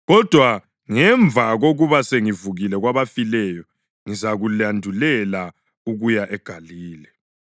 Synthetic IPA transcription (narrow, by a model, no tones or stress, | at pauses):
ɣɔd̥ʱwa | ŋɛɱvʱaɣoɣuβaseŋivuɣilɛɣwaβafilɛjɔ | ŋizaɣulandʱulɛla | uɣujaʔɛɡ̥ʱaliːlɛ